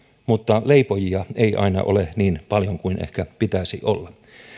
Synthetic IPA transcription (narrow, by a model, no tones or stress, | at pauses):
mut̪ːɑleipojiɑeiʔɑ̰inɑ̰ʔo̰leniːnpɑljoŋkuinʔḛhkæpit̪æsḭʔolːɑ